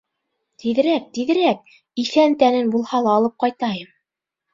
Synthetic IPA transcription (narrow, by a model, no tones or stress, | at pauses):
t̪iðɘ̆ɾæk̚t̪iðɘ̆ɾæk̚ | iθænt̪ænɘnbulˠhɑlˠɑːlˠɤp̚qɑjt̪ɑjɤm